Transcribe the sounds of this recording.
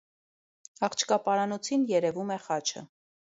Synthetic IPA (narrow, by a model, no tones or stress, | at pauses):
ɑχt͡ʃʰkɑpɑɾɑnɔt͡sʰinjɛɾɛvumɛχɑt͡ʃʰə̰